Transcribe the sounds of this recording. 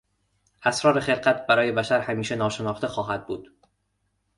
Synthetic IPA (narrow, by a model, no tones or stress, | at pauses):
ʔæsɾɒːɾe̞xe̞lɢæt̪̚ʰbæɾɒːje̞bæʃæɾhæmiːʃenɒːʃe̞nɒːxt̪ʰe̞xɒːɦæd̪̚buːd̪̥